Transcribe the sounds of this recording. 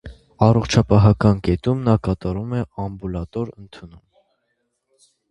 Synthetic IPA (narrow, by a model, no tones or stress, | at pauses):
ɑrɔχt͡ʃʰɑpɑɦɑkɑnkɛt̪umnɑkɑt̪ɑɾumɛɑmbulɑt̪ɔɾənt̪ʰunum